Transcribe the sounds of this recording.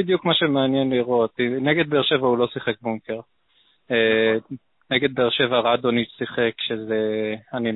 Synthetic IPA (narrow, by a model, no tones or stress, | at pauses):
id̪jukmaʃemeanjenliʁo̞t̪ineɡe̞d̪̚beeʃe̞vaulo̞siχek̚buŋkeʁ | e | neɡe̞d̪̚beːʁʃe̞vaʁad̪onisiχekʃezeani